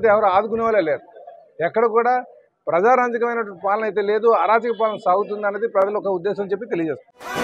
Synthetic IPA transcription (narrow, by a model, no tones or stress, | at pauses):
t̪eɛʋɐɾoaːd̪ukunɛːʋaleleːd̪u | ɛkːɐɽɐkuːɽaː | pɾɐd͡ʒaːɾaːd͡ʒikɐʋɐjnɐʈɐɳʈipaːlɐnɐjt̪̬eːleːd̪uaːɾaːd͡ʒikɐpaːlɐnɐsaːɡut̪̬und̪ɐnːɐd̪ipɾɐd͡ʒɐlɔkɐud̪ːɛːsɐmt͡ʃepːit̪e̞lijɐd͡ʒeːst̪uni